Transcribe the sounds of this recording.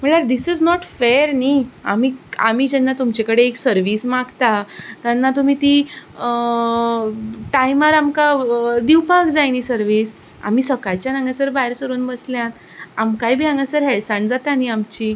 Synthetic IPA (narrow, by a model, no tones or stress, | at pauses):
m̤əɳɭaɾd̪isiznɔʈfeɾnia̰miːam̤iːd͡ʑɛnːat̪umt͡ɕakəɽeːksəɾʋismaɡt̪at̪janːat̪um̤iːt̪i | ʈajmaɾamkad̪iwpaɡd͡zajnisəɾʋis | a̰m̤iːsəkajt͡ɕjanãŋɡasəɾbaɦeɾsəɾuːnbəsljãt̪ | amkaibiːãŋɡasəɾɦeɭsaɳd͡zat̪aniamt͡ɕi